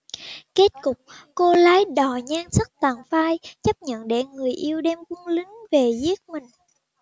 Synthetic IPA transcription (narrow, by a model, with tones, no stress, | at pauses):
ke˦˥t̚kʊ˨˩k͡p̚ko˧laː˨˦jɗɔ˨˩ɲaː˧ŋsə˦˥t̚t̪aː˨˩ŋfaː˧jt͡ɕə˦˥p̚ɲə̰˧˨nɗḛ˧˩ŋɨ˨˩əjʔi˧əwɗɛ˧mku˧əŋlï˨˦ŋ̟ve˨˩zi˦˥ət̚mï˨˩ŋ̟